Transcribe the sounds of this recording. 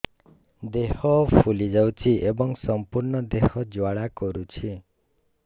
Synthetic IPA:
d̪ehɔpʰulid͡ʒawt͡ʃʰiʔebɔŋsɔmpuɾɳɔd̪ehɔd͡ʒwaɭakɔɾut͡ʃʰi

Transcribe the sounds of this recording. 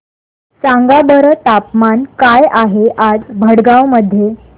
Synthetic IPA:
saŋɡabəɾət̪apmankajaɦeʔad͡zbʱəɽɡawməd̪ʱːje

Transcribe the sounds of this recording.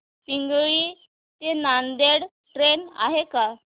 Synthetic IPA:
piŋɡɭiː | t̪enand̪eɽ | ʈɾena̰ɦeka

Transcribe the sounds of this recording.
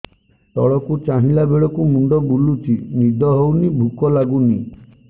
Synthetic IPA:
t̪ɔɭɔkut͡ʃaɦilabeɭɔkumuɳɖɔbulutʰinid̪ʱɔɦownibʱukɔlaɡuni

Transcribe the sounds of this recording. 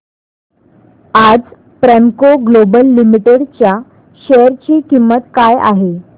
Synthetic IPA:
ad͡z | pɾemkoɡlobəlːimiʈeɽt͡ɕja | ɕejəɾt͡ɕiːkimːət̪kaja̰ɦe

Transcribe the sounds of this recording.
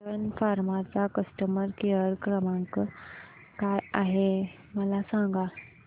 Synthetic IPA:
ənfaɾmat͡sakəsʈəməɾkeəɾkɾəmãŋk | kajaɦe | məlasãŋɡa

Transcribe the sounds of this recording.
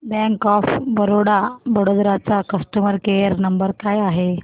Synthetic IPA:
bɛ̃ŋkɔfbəɾoɽabəɽod̪ɾat͡sakəsʈəməɾkeəɾnəmbəɾkajaɦe

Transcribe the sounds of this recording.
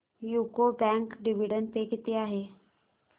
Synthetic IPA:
juːkobɛ̃ŋkɖiʋiɖənpekit̪eaːɦeː

